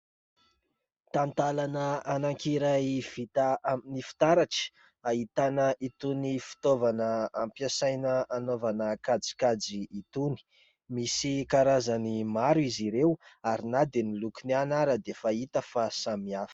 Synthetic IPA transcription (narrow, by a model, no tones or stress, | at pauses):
t̪ant̪alanəanaŋkiɾaiv̥it̪aaminifi̥t̪aɾaʈ͡ʂə̥ | ait̪anəʔit̪unifi̥t̪ovanəampjasajnəanovanəkad͡zi̥kad͡ziːt̪uni̥ | misikaɾazanimaɾuiziɾewaɾinad̪enilukinianaɾəd̪efait̪əfasamiafə̥